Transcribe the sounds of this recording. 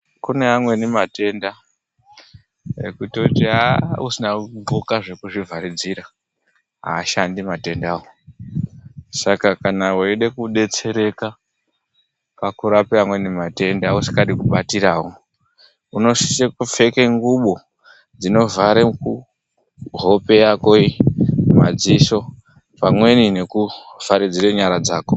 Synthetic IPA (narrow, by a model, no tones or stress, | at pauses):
kune̞ɦamwe̞nimate̞nda | ḛkutotiausinaŋɡokaʐe̞kuʐivʱaɾid͡ziɾa | ɦa̰ːʃandimate̞ndaːwo | sakakanaweiɗe̞kuɗe̞t͡se̞ɾe̞ka | pakuɾapeamwe̞nimate̞ndausi̥katikuɓatiɾaːwo | uno̞si̥sekufe̞keŋɡuɓo | d͡zino̞vaɾeku | ɦo̞pe̞jako̞ima̰d͡ziso̞ | pamwe̞nine̞kuv̥aɾid͡ziɾeɲaɾad͡zaːko